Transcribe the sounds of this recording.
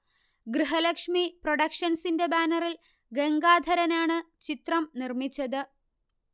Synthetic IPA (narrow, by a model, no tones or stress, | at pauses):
ɡɾɨɦɐlɐkʂmiproɽɐkʂɐnsinde̞baːnɐril | ɡeŋɡaːd̪ʱɐɾɐnaːɳɨt͡ɕit̪rɐmnirmit͡ɕːɐðɨ